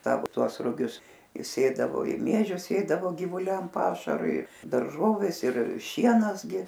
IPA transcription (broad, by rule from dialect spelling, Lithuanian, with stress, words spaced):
ˈsɑːʋoː ˈtuɔs rʊˈɡʲʊs ɪ ˈsʲeːdɐʋoː ɪ ˈmʲiɛʒʲʊs ˈsʲeːdɐʋoː ɡʲɪʋʊˈlʲɛm ˈpɑːʃɐrʊɪ dɐrˈʒoːʋʲeːs ɪr ˈʃʲiɛnɐs ɡʲɪ